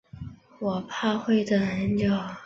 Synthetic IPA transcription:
wɔ˨˩pʰa˥˧xwe˥˩ɪd̪ə˩ə˧˥nt͡ɕjo˥˨˩

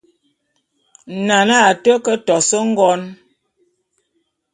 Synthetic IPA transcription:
na˨na˦˨tə˦kə˦tɔ˨sə˦ŋ̩˦ɡɔ˦n

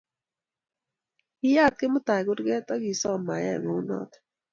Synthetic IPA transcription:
i˦ja˦t̪̚ke˦mʊ˦t̪a˨ɡʊ˦ɾɡɛ˦t̪ɔ˦ɡi˨sɔ˦˨ma˨ja̰˦˨ɡo˨˦u˦nɔ̰˦t̪

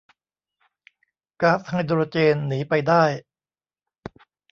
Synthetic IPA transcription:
kaː˦˥pha˧jd̪o˧o˧t͡ɕeː˧nːiː˩˦pa˧jdaː˥˩j

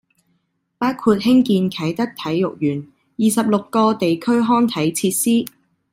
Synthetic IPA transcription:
paː˥wkʰuː˧t̚hɪ˥ŋkiː˧nkʰɐ˨˥jt̪ɐ˥k̚t̪ʰɐ˨˥jːʊ˨k̚jyː˨˩n | jiː˨sɐ˨p̚lʊ˨kːɔː˧t̪e˨jkʰɵ˥ɥɦɔː˥nt̪ʰɐ˨˥jt͡sʰiː˧t̚siː˥

